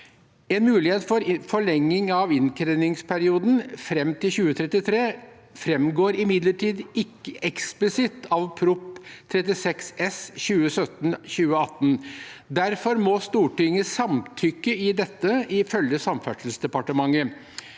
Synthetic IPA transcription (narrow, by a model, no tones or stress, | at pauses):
ɛːnmʉːlɪheːt̪fɔɾfɔɭɛŋːɪŋɑʋɪnkʰɾɛnɪŋspʰæɾɪuːd̪n̩fɾɛmt̪ʰɪlɕʉːət̪ʰɾɛt̪ːɪt̪ʰɾeː | fɾɛmɡoːɾɪmɪd̪ləʈʰiːd̪ɪkːəʔɛksplɪsɪt̪ɑʋpʰɾʊpt̪ʰɾɛt̪̬ɪsɛksɛsɕʉːəsœt̪nɕʉːəɑt̪ːn̩d̪æɾfɔɾmɔst̪uːʈʏŋːəsɑmt̪ʰʏkːəɪd̪ɛt̪ːəɪfœljəsɑmfæʂəl̩sd̪ɛpɑʈəmɑŋːə